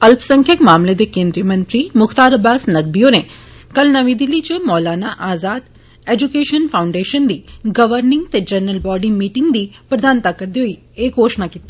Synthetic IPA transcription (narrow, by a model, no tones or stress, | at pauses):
ɐlpsɐ̃ŋkʰjəkmaːmled̪ekẽːnd̪ɾijəmɐ̃nʈ̪ɾimʊxt̪aːɾɐbaːsnɐɡ̚bijõnekɐlnɐʋĩd̪ɪlːit͡ʃemɔːlaːnaʔaːzaːd̪ | eːd͡ʒukeːʃənfʰaːʊ̃ɳɖeːʃənd̪iɡɐʋəɾnɪ̃ŋɡt̪ed͡ʒɐnːəlbɔːɖimiːʈɪ̃ŋɡd̪ipɾɐd̪aːnt̪akɐɾd̪iɦʊi | eːɡɦoːʃnakiːt̪i